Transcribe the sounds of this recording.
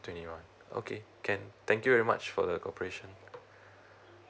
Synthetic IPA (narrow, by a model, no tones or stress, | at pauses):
twɛ̃ntiwãn | o̰kʰekʰɛ̃nt̪ʰɛ̃ŋkjuvɛɹima̰t͡ʃfɔ̰dəkʰɔpəɹeʃə̃n